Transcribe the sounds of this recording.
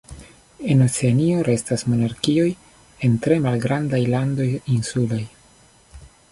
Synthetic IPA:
e̞not͡se̞anio̞ɾe̞stasmo̞naɾkio̞j | e̞ntɾe̞malɡɾandajlando̞jinsulaj

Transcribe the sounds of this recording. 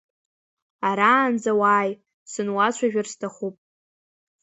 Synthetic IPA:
aɾaːnd͡zawaːj | sɨnwat͡ɕʷʰaʒᶣarstʰaχupʼ

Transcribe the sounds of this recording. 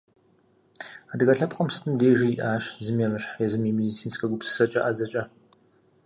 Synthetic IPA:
adɨɣɐɬɐp̚qʼɐmsɨ̥tʰʼɨmdeːʒiiʔaːʃzɨmjɛmɨɕħajɛzɨmjimedit͡sʰiːnskʰɐɡʷʊpsɨ̥sɐt͡ʃʼɐʔazɐt͡ʃʼɐ

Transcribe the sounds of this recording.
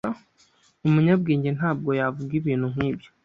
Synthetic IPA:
umuɲabɡeːɲɟe̞n̥aːb̚ɡo̞javuɡiβin̥uŋ̥iːbɟo

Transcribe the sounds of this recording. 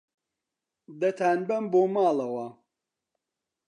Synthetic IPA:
d̪ɐt̪ʰaːnbɐmbomaːlɐwa

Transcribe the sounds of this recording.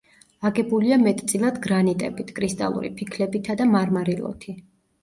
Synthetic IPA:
aɡɛbuliamɛt̪ʼt̪sʼilˠad̪ɡɾanit̪ʼɛbit̪ʰkʼɾist̪ʼa̰lˠṵɾḭpʰikʰlɛbit̪ʰad̪amaɾmaɾilˠɔ̰t̪ʰi

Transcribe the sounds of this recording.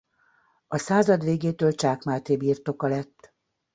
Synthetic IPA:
ɒsaːzɒd̪ʋeːɡeːt̪øːlt͡ʃaːkmaːt̪eːbiːrt̪o̞kɒlɛt̪ː

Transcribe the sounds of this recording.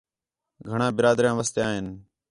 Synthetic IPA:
ɡʱəɳãːbɪɾaːd̪ɾjãːʋəst̪jaːɦen

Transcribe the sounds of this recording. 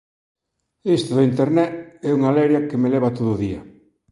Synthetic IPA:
est̪oðʊint̪eɾnɛɛuŋalɛɾjakemelɛβ̞at̪oðʊðiɐ̰

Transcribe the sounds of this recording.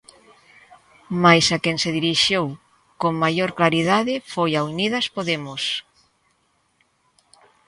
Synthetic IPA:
majsakeŋseðiɾiʃew | koŋmajoɾklaɾiðaðɪfojauniðaspoðemʊs

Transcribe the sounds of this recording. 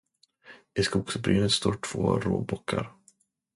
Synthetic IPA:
ɪskʊːɡsbɾiːnət̪st̪oːʈʰv̥o̰ːɾo̰ːbɔkʰːaɾ

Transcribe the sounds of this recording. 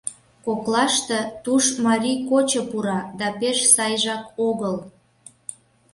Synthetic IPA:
koklɑʃt̪et̪uʃmɑɾʲikot͡ɕəpuɾɑd̪ɑpeʃsɑjʒɑkoɣəl

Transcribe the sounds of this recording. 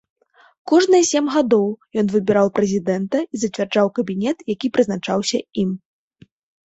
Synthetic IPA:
kɔʐnɨsʲɛmɣad̪ɔwjɔnvɨbʲɛɾawpɾɛzʲid̪ɛnt̪ɐizɐt͡sʲvʲard͡ʐawkɐbʲinʲɛt̪jakʲipɾɨznat͡ʂawsʲɐim

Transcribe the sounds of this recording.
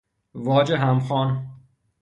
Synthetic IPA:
vɒːd͡ʒeɦæmxɒːn

